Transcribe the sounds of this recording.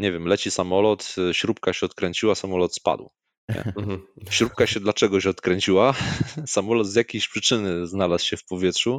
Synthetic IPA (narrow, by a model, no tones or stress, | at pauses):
ɲɛvʲjɛmlɛt͡ɕisamɔlɔt̪ɕɾup̚kaɕɛɔt̪̚kɾɛɲt͡ɕiwasamɔlɔt̪spa̰d̪w | ɛ̰ɕɾup̚kaɕɛd̪lat͡ʂɛɡɔɕɔt̪kɾɛɲt͡ɕiwasamɔlɔd̪zʲjakʲejɕpʂɘt͡ʂɘnɘznalaswɕɛfpɔvʲjɛtʂu